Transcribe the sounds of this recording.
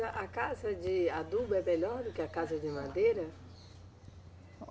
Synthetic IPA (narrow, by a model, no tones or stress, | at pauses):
ɐʔakazɐd͡ʒɪad̪ubɛpɛʎɔɾd̪ʊkɪakazɐd͡ʒɪmad̪eɾɐ